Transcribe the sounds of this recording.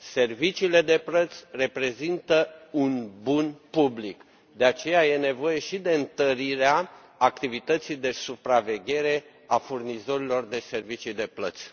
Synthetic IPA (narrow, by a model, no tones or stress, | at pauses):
se̞rvit͡ʃiːle̞d̪e̞plət̪sʲre̞pɾe̞zint̪əunbunpublik | d̪e̞at͡ʃe̞jaje̞ne̞vo̞je̞ʃid̪e̞ɨnt̪əɾiɾeaː | kt̪ivit̪ət̪sijd̪e̞supɾave̞ɡʲe̞ɾe̞ | afurnizo̞ɾilo̞rd̪e̞se̞rvit͡ʃijd̪e̞plə̰t̪sʲ